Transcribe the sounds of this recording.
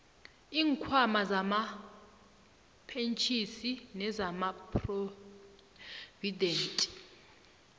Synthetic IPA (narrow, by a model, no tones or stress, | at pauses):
iːŋkʰwamazama | pʰent͡ʃʼʰisinɛzamapʰʼro | vidʱeːntʼi̥